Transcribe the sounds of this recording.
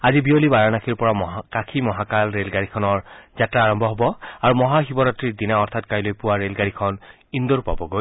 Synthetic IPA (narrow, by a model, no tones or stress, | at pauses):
azibijolibaɹanakʰiɹpɔɹakakʰimɔɦakalɹelɡaɹikʰɔnɔɹzatɹaːɹɔmbʱɔɦɔbɔaɹumɔɦaxibɔɾatːɹiɹdinaɔɹt̪ʰatkajlojpuwaɹelɡaɹikʰɔn | ind̪oɹpa̰bɔɡoj